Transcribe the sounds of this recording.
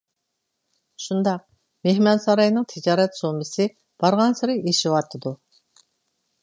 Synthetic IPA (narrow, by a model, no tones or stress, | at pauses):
ʃund̪ɑq̚ | mehmɑnsɑɾɑjnɨŋt̪ʰɪd͡ʒɑːɾɛt̪somɪsɨ | b̥ɑɾʁɑnsɪɾɪeʃɪwɑt̪ʰɨd̪u